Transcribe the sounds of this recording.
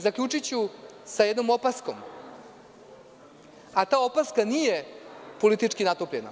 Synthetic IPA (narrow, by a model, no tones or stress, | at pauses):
zakʎʲut͡ʂit͡ɕusajed̪nomo̞pasko̞m | at̪aːo̞paskanije̞po̞lit̪it͡ʂkinat̪opʎe̞na̰